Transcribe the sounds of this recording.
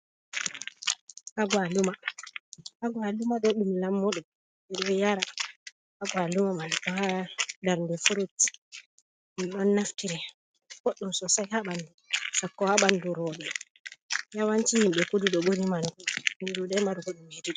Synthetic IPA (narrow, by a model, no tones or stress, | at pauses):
haɡwaluma | haɡwalumaɗoɗumilamːɔɗɔ | dɛɾɓɛjaɾa | haɡwalumamankɔhadaɾndɛfuɾotːi̥ | miɗɔnːaftiɾɛ | ɡ̥oɗːumsɔsajhaɓandusakːɔhaɓanduɾɔɗɛ | jawant͡ʃihimɓɛkuduɗɔɓoɾimankɔhindudɛmaɾuɡoɗumediɗ